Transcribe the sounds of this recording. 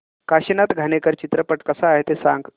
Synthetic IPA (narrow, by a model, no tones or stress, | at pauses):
kaɕinat̪ɡʱanekəɾt͡ɕit̪ɾəpəʈkəsaːɦet̪esaŋɡ